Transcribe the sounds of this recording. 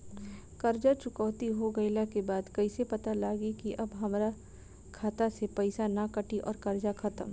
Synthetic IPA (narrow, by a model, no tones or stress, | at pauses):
kɐɾd͡ʒat͡ʃʊkɔːt̪iɦoɡɐɪlakebaːd̪kɐisepɐt̪alaːɡikiʔɐbɦɐmɾa | kʰaːt̪asepɛɪsanakɐʈiʔɔ̰ːɾkɐɾd͡ʒaxʰɐt̪əm